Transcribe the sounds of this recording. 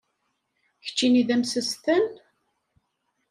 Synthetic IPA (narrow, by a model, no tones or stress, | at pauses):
çə̥t͡ʃːiniðæmsəsθən